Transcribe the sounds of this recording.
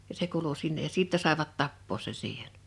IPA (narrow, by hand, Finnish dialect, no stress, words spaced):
jɑ se kuːlu sinːej jɑ siˑtːɛ sɑˑe̝ʋɑt tɑpːoːs sen̞ siːhen̥